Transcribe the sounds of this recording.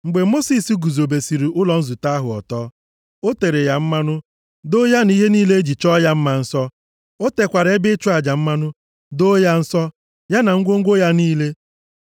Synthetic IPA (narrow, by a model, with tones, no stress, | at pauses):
ŋ͡m̩˨ɡ͡be˨mo˦si˦si˦ɡu˨zo˨be˨si˨ɾi˨ʔʊ˦lɔ˨n̩˦zu˨ta˦ɦʊ˨ɔ̰˨tɔː˦ | o˦te˨ɾe˨ja˨m̩˦ma˦nʊ˦ | do˦ja˦ni˦ɦe˦niː˦le˦e˦d͡ʒi˨t͡ʃɔ˦ja˦m̩˦ma˨n̩˦sɔ˦ | o˦te˨kʷa˨ɾe˦bɪ˦t͡ʃu˦a˨d͡ʒa˨m̩˦ma˦nʊ˦ | do˦ja˦n̩˦sɔ˦ | ja˦na˨ŋ̩˦ɡʷo˦ŋ̩˦ɡʷo˦ja˦niː˦le˦